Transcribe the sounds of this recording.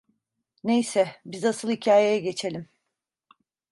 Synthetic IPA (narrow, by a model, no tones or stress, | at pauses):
ne̞jsɛbizasɯlˠhicʰaːjejɛɟe̞t͡ʃʰe̞lʲim